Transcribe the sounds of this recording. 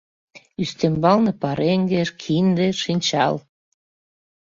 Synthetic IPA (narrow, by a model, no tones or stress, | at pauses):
yst̪embɑlnɤpɑɾeŋɡeʃkʰind̪ĕʃinʲt͡ɕɑ̰l